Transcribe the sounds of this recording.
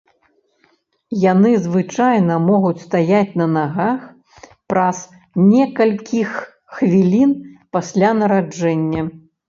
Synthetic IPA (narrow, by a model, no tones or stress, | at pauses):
janɨzvɨt͡ʂajnɐmɔɣut͡sʲst̪ajat͡sʲnɐnaɣax | pɾɐs | nʲɛkɐlʲkʲʰixː | vʲilʲinpasʲlʲanɐɾad͡ʐɛnʲːɐ